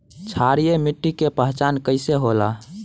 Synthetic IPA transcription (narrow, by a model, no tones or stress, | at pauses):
t͡ʃʰaɾijemiʈːikepəɦt͡ʃankəɪseɦola